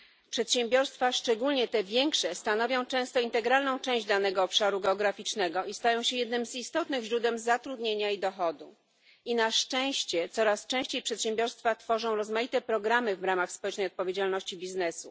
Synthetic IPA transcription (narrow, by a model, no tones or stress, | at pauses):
pʂɛt̪ɕɛ̃mbʲjɔɾst̪faʂt͡ʂɛɡulɲɛt̪ɛvʲjɛŋkʂɛst̪anɔvʲjɔ̃w̃t͡ʂɛ̃w̃st̪ɔint̪ɛɡɾalnɔ̃w̃t͡ʂɛ̃w̃ʑd͡ʑd̪anɛɡɔːpʂaɾuɡɛɔɡɾafʲit͡ʂnɛɡɔist̪ajɔ̃w̃ɕɛjɛd̪nɘmzist̪ɔt̪nɘɣʑɾud̪wɛmzat̪ɾud̪ɲeɲaid̪ɔxɔd̪ṵ | inaʂt͡ʂɛ̃w̃ɕt͡ɕɛt̪sɔɾast͡ʂɛ̃ɕt͡ɕejpʂɛt̪ɕɛ̃mbʲjɔɾst̪fat̪fɔʐɔ̃w̃ɾɔzmajit̪ɛpɾɔɡɾamɘvɾamaxspɔwɛt͡ʂnɛjɔt̪̚pɔvʲjed͡ʑalnɔɕt͡ɕibʲiznɛsṵ